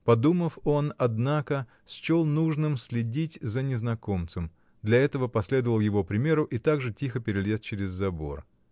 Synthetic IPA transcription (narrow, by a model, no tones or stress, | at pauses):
pɐd̪uməfo̞nɐd̪nakə | sʲt͡ɕolˠnuʐnɨmsʲlʲɪdʲitʲzənʲɪznɐko̞mt̪səm | d̪lʲɐɛt̪əvəpɐsʲlʲe̞d̪əvəlˠjɪvo̞pɾʲɪmʲe̞ɾʊʔit̪aɡʐɨtʲixəpʲɪɾʲɪlʲe̞st͡ɕɪɾʲɪzːɐbo̞̰r